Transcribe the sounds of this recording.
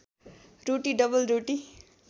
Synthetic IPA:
roʈiɖʌbʌlɾoʈi

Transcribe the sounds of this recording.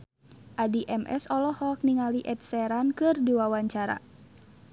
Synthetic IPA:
ʔadiʔɛmɛ̰sɔlɔhɔk̚niŋaliʔɛt̪̚sɛɾankɨrdiwawaɲt͡ʃaɾa̰

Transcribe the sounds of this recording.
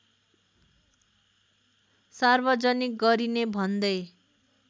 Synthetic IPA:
sarbʌd͡zʌnik̚ɡʌɾinebʱʌnd̪ʌj

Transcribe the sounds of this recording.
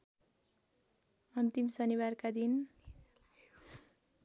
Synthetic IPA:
ʌnt̪imsʌniwarkad̪in

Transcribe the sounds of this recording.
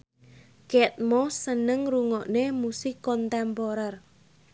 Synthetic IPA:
kɛt̪̚mɔsənəŋruŋɔʔnemusikːɔnt̪ɛmpoɾar

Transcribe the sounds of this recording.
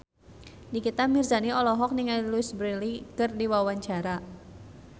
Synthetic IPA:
dikit̪amirzaniɔlɔɦɔk̚niŋaluɪsbɾilikɨrdiwawaɲt͡ʃaɾa

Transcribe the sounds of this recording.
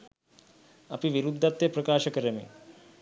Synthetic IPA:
ɐpiʋiɾud̪ʱːat̪jepɾɐkaːʃɐkəɾəmḭ

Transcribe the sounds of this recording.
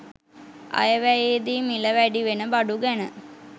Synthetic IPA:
a̰jəʋæjeːd̪imiləʋæɖiʋenəbaɖuɡænə

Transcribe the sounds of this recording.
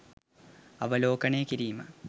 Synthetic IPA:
ɐʋɐlo̞ːkɐɳeːkiɾijmɐ̰

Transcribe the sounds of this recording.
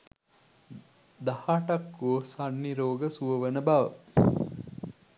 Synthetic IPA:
d̪ahaːʈakːuosanːiɾoːɡəsuʋəʋənəbaʋə

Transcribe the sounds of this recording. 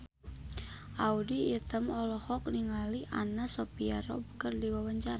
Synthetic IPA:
ʔaudiːt̪əmɔlɔhɔk̚niŋaliʔa̰nasopiaɾɔ̰bəkərdiwawaɲt͡ʃaɾa

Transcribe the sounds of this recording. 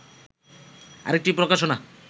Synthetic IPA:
a̰ɾek̚ʈipɾokaʃona

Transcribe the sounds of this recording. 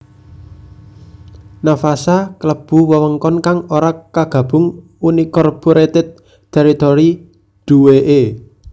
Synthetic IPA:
nafasakələb̥ṳwəwəŋkɔnkaŋoɾakaɡ̥ä̤b̥ʊ̤ŋ | unikɔrpoɾet̪ɪt̪̚ | t̪ɛɾit̪ɔɾi | d̪̥uweʔe

